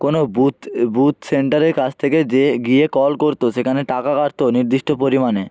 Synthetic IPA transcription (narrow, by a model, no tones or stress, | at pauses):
konobut̪but̪seɳʈaɾeɾkat͡ɕʰt̪ʰeked͡ʑeɡiekɔlkoɾt̪oʃekʰaneʈakakaɾt̪oniɾd̪iʃʈopoɾimane